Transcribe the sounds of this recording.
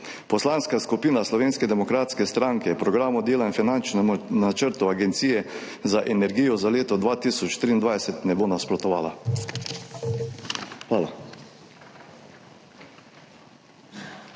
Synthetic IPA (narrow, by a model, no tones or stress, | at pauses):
pɔslaːnskaskupiːnaslɔʋeːnskɛd̪ɛmɔkɾaːt̪skɛst̪ɾaŋkɛpɾɔɡɾaːmɔd̪eːlainfinant͡ʃnɛmnat͡ʃəɾt̪uaɡɛnt̪siːjɛ | zaʔɛnɛɾɡiːjɔzaleːt̪ɔd̪ʋaːt̪iːsɔt͡ʃt̪ɾiːnd̪ʋajsɛt̪nɛboːnaspɾɔt̪ɔʋaːla | xʋaːla